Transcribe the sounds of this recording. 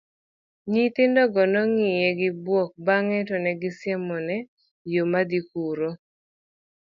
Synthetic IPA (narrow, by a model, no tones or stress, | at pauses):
ɲit̪ɪndɔɡɔnɔŋɪjɛɡɪbwɔk̚baŋɛtɔnɛɡɪsjɛmɔnɛ | jomad̪ikuɾo